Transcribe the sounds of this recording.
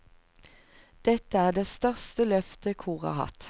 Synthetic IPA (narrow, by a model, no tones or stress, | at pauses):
d̪̥ɛt̪əæːʁd̪eːst̪œʁst̪əlœft̪əkʰuːʁɑ̰ːhɑ̰t̪